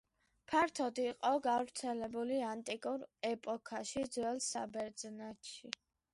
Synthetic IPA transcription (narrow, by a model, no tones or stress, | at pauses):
pʰaɾt̪ʰɔd̪iːqʼɔɡavɾt̪sʰɛlɛbuliant̪ʼikʼuɾɛpʼɔkʰaʃid̪zwɛlsa̰bɛɾd̪znaʃi